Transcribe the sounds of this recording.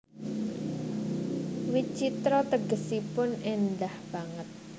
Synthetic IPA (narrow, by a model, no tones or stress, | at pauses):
wit͡ʃit̪ɾɔt̪əɡəsipʊnɪnd̪ahb̥aŋət̪̚